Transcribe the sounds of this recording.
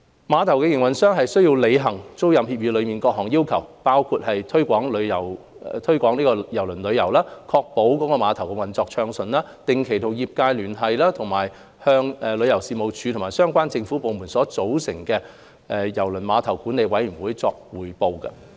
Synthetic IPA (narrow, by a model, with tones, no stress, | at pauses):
maː˨˧˥t̪ʰɐ˨˩wkɛ˧jɪ˨˩ŋwɐ˨˩nsœː˥ŋɦɐ˨jsɵ˥ji˧wle˨˧jɦɐ˨˩ŋt͡so˥wjɐ˨mhiː˧p̚jiː˧lɵ˨˧miː˨nkɔː˧k̚hɔː˨˩ŋjiː˥wkʰɐ˨˩wpaː˥wkʰuː˧t̚hɐ˨jt̪ʰɵ˥ɥkʷɔː˨˥ŋlɵ˨˧jɐ˨˩w | t̪ʰɵ˥ɥkʷɔː˨˥ŋnliː˥kɔ˧jɐ˨˩wlɵ˨˩nlɵ˨˧ɥjɐ˨˩wlaː˥kʰɔː˧k̚po˨˥wkɔː˨˧˥kɔː˧maː˨˧t̪ʰɐ˨˩wkɛ˧wɐ˨nt͡sɔː˧k̚t͡ʃʰœː˧ŋsɵ˨nlaː˥t̪ɪ˨ŋkʰe˨˩jt̪ʰo˨˩wjiː˨p̚kaː˧jlyː˨˩nɦɐ˨jlaː˥t̪ʰʊ˨˩ŋmaː˨˩j | hœː˧ŋɛ˨lɵ˨˧ɥjɐ˨˩wsiː˨˧mo˨˧wt͡ʃʰy˨˧tʰʊ˨˩ŋmaː˨jsœː˥ŋkʷaː˥nt͡sɪ˧ŋfu˨˥po˨˧wmu˨˩nsɔː˨˥t͡so˨˥wsɪ˨˩ŋkɛː˧ | ʔɛ˨˧jɐ˨˩wlɵ˨˩nmaː˨˧t̪ʰɐ˨˩wkuː˨˥nle˨˧jwɐ˨˥jmy˨˩wuː˨˥jt͡sɔː˧k̚wuː˨˩jpo˧wkɐ̰˧